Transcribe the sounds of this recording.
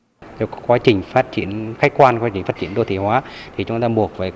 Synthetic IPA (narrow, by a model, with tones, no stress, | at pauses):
t̪e˧˩kkwaː˨˦t͡ɕï˨˩ŋ̟faː˦˥t̚t͡ɕḭ˧˩˥ənxa˦˥k̟̚kwaː˧nkwaː˨˦t͡ɕï˨˩ŋ̟faː˦˥t͡ɕi˧˨ənɗo˧˩t̪ʰi˧˨˩hwaː˨˦t̪ʰi˨˩t͡ɕʊ˨˦ŋ͡mt̪aː˧ɓu˨˩ək̚vəː˨˩